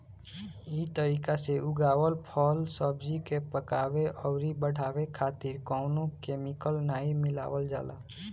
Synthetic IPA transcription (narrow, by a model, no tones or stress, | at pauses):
iːt̪əɾiːkaseʔʊɡaːwəlpʰɔːlsɔbd͡ʒikepəkaːweʔɔːɾibəɽʱaːwekʰaːt̪ɪɾkɔːnõkeːmɪkəlnaːimɪla̰ːwəld͡ʒa̰ːla̰ː